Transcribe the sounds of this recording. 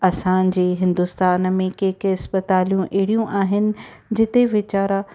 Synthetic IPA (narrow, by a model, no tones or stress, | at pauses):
ɐsãd͡ʑeːɦɪ̃nd̪ʊst̪aːnəmẽkeːkɪspət̪aːlijũʔɛɦɽijũʔaːɦɪnɪ̆ | d͡ʑɪt̪eʋɪt͡ɕaːɾa